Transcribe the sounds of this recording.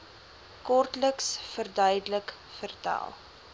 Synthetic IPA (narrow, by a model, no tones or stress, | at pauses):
kɔrtləksfərdœjdələk | fərtæ̰ːlˠ